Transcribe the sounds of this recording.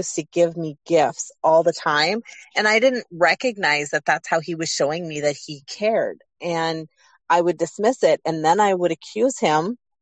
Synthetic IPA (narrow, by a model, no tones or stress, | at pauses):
stʰɨɡɪvmiɡɪftsɔlˠðətʰãɪ̃mɨ̃naɪdɪdⁿn̩t̚ɹɛkɨɡ̚naɪzðɨt̪̚ðætshaʊiwʌz̥ʃoʊɪ̃ŋmiðɨt̚hikʰɛɹd | ʔɨ̃n | aɪwɨdɨsmɪsɪɾ̚ɨ̃nðɨ̃naɪwəɾɨkʰj̥ʉz̥ɪ̃m